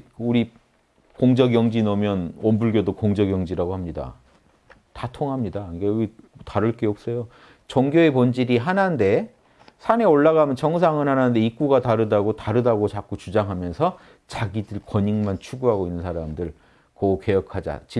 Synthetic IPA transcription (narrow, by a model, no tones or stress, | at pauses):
uɾi | koŋd͡ʑʌɡjʌŋd͡ʑinʌmjʌnʌmbuɭɡjodokoŋd͡ʑʌɡjʌŋd͡ʑiɾaɡohamɲida̰ | tatʰoŋɦamɲidaikaitaɾɯɭk͈e̞ʌp̚s͈ʌjo | t͡ɕʌŋɡjoe̞pʌnd͡ʑiɾiɦanande̞ | sʰane̞oɭːaɣamjʌnt͡ɕʌŋs̬ʰaŋɯnɦanande̞ik͈uɡataɾɯdaɡotaɾɯdaɡot͡ɕak͈ot͡ɕud͡ʑaŋɦamjʌnsʰʌ | t͡ɕaɡidɯɭkwʌɲiŋmant͡ɕʰuɡuɦaɡoinːɯnsʰaɾamdɯɭ | kʌke̞jʌkʰad͡ʑa̰t͡ɕi